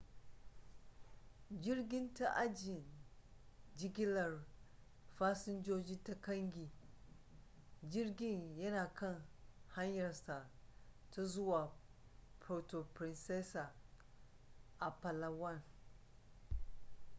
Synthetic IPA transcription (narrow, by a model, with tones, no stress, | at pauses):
d͡ʒɪ˦rɡʲɪ˦nta˦ʔa˦d͡ʒɪ˨n | d͡ʒɪ˦ɡʲɪ˦lɐ˨r | ɸaː˦sɪ˦nd͡ʒoː˦d͡ʒi˦ta˦kɐ˦ŋɡʲi˨ | d͡ʒɪ˦rɡʲɪ˦ɲjɐ˦naː˨kʰɐ˦˨ŋha˦ɲjɐ˨rsa˨ta˦zʊ˦waː˨pʰɾo˨to˨pɾɪ˨nsɛ˦sa˨ | ʔa˨pɐ˨la˨wɐ˦˨n